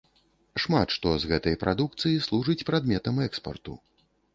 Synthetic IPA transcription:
ʂmat̪ʂt̪ɔzɣɛt̪ɐjpɾʔad̪uk̚t̪sɨjislˠuʐɨt͡sʲpɾad̪mʲɛt̪ɐmɛkspɐ̰rt̪ṵ

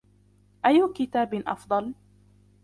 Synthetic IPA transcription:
ʔajːʊkɪt̪aːbʔɑ̰fd̪ˤɑl

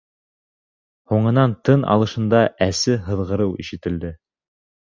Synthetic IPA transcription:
huɴɤ̆nɑnt̪ɤnɑ̰lˠɤ̆ʃɤ̆nd̪ɑʔæsɘɦɤ̆ðʁɤ̆ɾɤwiʃɘ̆t̪ɘ̆ld̪ɘ

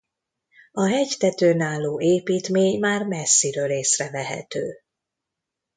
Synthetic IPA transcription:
ɒɦɛɟt̪ɛt̪øːnaːlːoːʔeːpiːt̪meːɲmaːrmɛsːiɾøːleːsrɛvɛɦɛ̰t̪øː

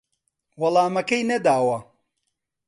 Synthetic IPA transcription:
wɐlˠaːmɐkɐjnɐd̪aːwɐ

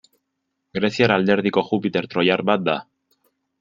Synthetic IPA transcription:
ɡɾe̞sjaɾald̪e̞ɾðiko̞xupit̪e̞ɾt̪ɾo̞jaɾbat̪̚d̪a

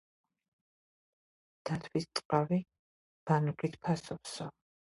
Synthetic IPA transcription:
d̪̥at̪ʰwist̪sʼqʼavi | b̥anukʼit̪ʰpʰasɔpsɔ

